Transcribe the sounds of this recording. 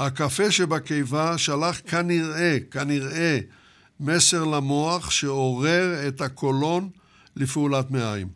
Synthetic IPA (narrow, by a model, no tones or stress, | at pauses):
hakafe̞ʃebakejvaʃalaχkaniʁe̞kaniʁe | me̞se̞ʁlamo̞aχʃeoʁe̞ʁe̞t̪ako̞lo̞n | lifulat̪meajm